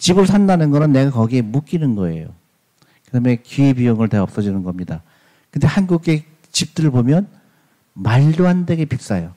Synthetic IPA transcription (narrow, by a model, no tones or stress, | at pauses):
t͡ɕibɯɭsʰandanɯnɡʌnɯnːe̞ɡakʌɡie̞muk͈inɯnɡʌe̞̰jo | kɯtʰame̞kiibijoŋɯɭteʌp̚s͈ʌd͡ʑinɯnɡʌmɲida | kɯnde̞hanɡuɡe | t͡ɕip̚t͈ɯɾɯɭbomjʌn | maɭdoɦandeɡepʰik̚s͈ajo